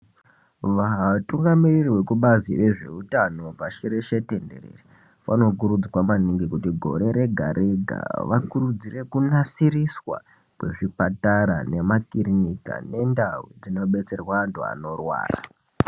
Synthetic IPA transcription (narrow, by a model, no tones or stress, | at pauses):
ʋaɦtuŋɡamirirwe̞kuɓaziʋe̞ʐe̞̰utano̞paʃiɾeʃete̞nde̞̰rḛːri | ʋa̰no̞k̬uɾud͡zwamaniŋɡikutiɡʱo̞̰ɾe̞ɾe̞ɡʱa̰ɾʔe̞ɡʱa̰ʋakurud͡zire̞kunasiriswa̰ | kwe̞̰ʐipataɾa̰ne̞makirinika̰ne̞ndawṵd͡zino̞ɓe̞t͡se̞rwaːntua̰no̞rwa̰ːra̰